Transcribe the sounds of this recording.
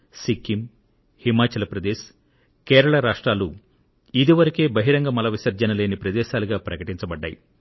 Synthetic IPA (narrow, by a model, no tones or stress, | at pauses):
sikʰːim | himaːt͡ʃɐlɐpɾɐd̪eːʃ | keːɾɐɭɐɾaːʂʈɾaːlu | id̪iʋɐɾike̞ːbɐɦiɾɐŋɡɐmɐlɐʋisɐɾd͡ʒɐnɐle̞ːnipɾɐd̪ɛːʃaːluɡaːpɾɐkɐʈiɲt͡ʃɐbɐɖːa̰ːjḭ